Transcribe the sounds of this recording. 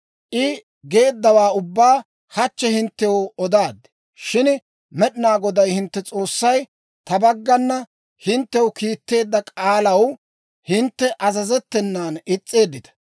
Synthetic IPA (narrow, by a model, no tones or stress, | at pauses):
ʔɪ | ɡe̞ːd̪ːɐwaːʊbːaː | hɐt͡ʃːɛhɪnt̪ːɛwɔd̪aːd̪ːɪ | ʃɪn | mɛɗɪnaːɡɔd̪ɐjhɪnt̪ːɛt͡sʼo̞ːsːɐj | t̪ɐbɐɡːɐnːɐ | hɪnt̪ːɛwkiːt̪ːe̞ːd̪ːɐkʼaːlɐw | hɪnt̪ːɛʔɐzɐzɛt̪ːɛnːaːnɪt͡sʼːe̞ːd̪ːɪt̪ɐ̥